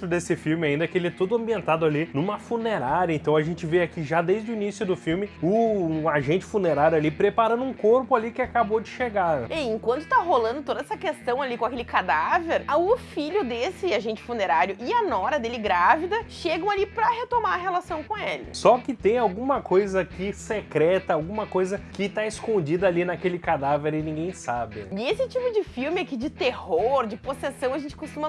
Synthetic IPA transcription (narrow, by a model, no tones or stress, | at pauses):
t̪ɾʊd̪esɪfiwmɪaĩnd̪ɐkɪelɪɛt̪od̪ʊɐ̃mbiẽnt̪ad̪ʊalinũmɐfuneɾaɾjɐẽt̪ɐ̃w̃aʒẽnt͡ʃɪveakiʒad̪ejzd̪ʊinisjʊd̪ʊfiwmɪʊaʒẽnt͡ʃɪ̥funeɾaɾjʊalipɾepaɾɐ̃nd̪ʊũkoɾpʊalikɪakabod͡ʒɪʃeɡaɛẽkwɐ̃nt̪ʊ̥t̪aɦolɐ̃nd̪ʊt̪od̪ɐɛsɐkest̪ɐ̃w̃alikõakelɪkad̪aveɾaʊfiʎʊd̪esɪaʒẽnt͡ʃɪ̥funeɾaɾjʊʔɪɐnɔɾɐd̪elɪɡɾavid̪ɐʃeɡɐ̃w̃alipɾɐhet̪omaɾɐɦelasɐ̃w̃kõelɪ̰sɔkɪt̪ẽj̃awɡũmɐkojzɐkɪsekɾɛt̪ɐawɡũmɐkojzɐkɪt̪aɪskõd͡ʒid̪ɐalinakelɪkad̪aveɾɪnĩɡẽj̃sabɪɪesɪt͡ʃipʊd͡ʒɪfiwmɪakid͡ʒɪt̪ehoɾd͡ʒɪposesɐ̃w̃ɐʒẽnt͡ʃɪ̥kost̪ũmɐ